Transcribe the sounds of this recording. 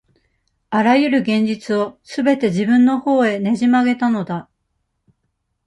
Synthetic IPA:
aɾajɯ̟ɾɯ̟ɡẽ̞ɲ̟d͡ʑit͡sɨo̞sɨbe̞t̪e̞ʑibɯ̟̃nːo̞ho̞ːe̞ne̞ʑimaɡe̞t̪ano̞d̪a

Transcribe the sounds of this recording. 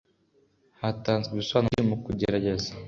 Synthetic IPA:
hataːnzɡiβisoaːnomukuɟeɾaɟe̞zḁ

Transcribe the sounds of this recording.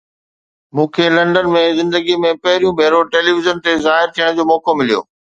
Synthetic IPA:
mũːkʰelɐ̃ɳɖənmẽzɪ̃nd̪əɡimẽpɐɦɪɾijũbʱeːɾoʈeːliʋɪzənt̪ezaːɦɪɾt̪ʰijəɽ̃d͡ʑoːmɔːkomɪlijo̰ː

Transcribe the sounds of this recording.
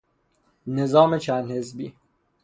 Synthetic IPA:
nezɒːmet͡ʃʰænd̪hezbiː

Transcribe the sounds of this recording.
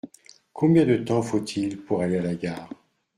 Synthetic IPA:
kʰɔ̃bjɛ̃d̪ət̪ɑ̃fot̪ʰilpuʁalealaɡaːʁ

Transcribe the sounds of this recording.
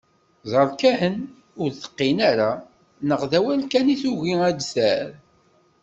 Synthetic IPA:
zˤɑɾˤkæhən | ʊɾθə̥qːinaɾa | nəʁðæwælkæniθuʝiæd̪sæɾ

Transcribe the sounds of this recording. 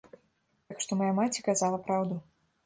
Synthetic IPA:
t̪akʂt̪ɔmajamat͡sʲikazalˠɐpɾawd̪u

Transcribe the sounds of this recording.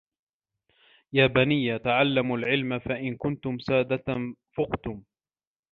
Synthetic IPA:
jaːbanijːat̪aʕalːamalʕɪlmafaʔɪnkʊnt̪ʊmsaːd̪at̪afʊqt̪ʊm

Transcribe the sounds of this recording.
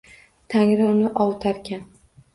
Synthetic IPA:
t̪ʰaŋʲɾɪʊnɪʔɒwˠt̪ʰaɾkʲʰan

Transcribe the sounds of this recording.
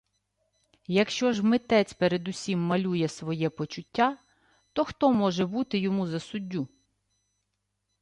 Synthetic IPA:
jɐkʃt͡ʃɔʒmɪt̪ɛt͡sʲpeɾed̪ʊsʲimːɐlʲujɛsʋɔjɛpɔt͡ʃʊtʲːa | t̪ɔxt̪ɔmɔʒɛbut̪ɪjɔmuzɐsʊdʲːu

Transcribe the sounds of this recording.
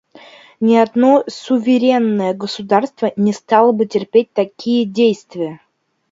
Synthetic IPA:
nʲɪad̪nosʊvʲɪɾʲenːəjəɡəsud̪arst̪vənʲɪst̪ɑlˠəbɨtʲɪrpʲet̚ʲt̪akʲʰijədʲejst̪vʲɪjə

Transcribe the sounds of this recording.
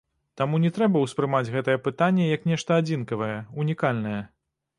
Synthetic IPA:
t̪amunʲɛt̪ɾɛbɐwspɾɨmad͡zʲɣɛt̪ɐjɛpɨt̪anʲːɛjɐknʲɛʂt̪ɐad͡zʲinkɐvɐjɛunʲikalʲnɐjɛ

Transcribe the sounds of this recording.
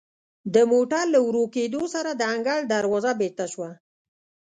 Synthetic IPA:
d̪əmoʈaɾlawɾoked̪osaɾad̪əaŋɡaɽd̪aɾwɑzabeɾt̪aʃwa

